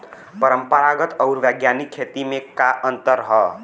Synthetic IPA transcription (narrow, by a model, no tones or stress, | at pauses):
pʌɾʌmpʌɾaɡʌt̪ʌwuɾʋjaɡjanikʰːet̪imekaʔʌnt̪ʌɾɦʌ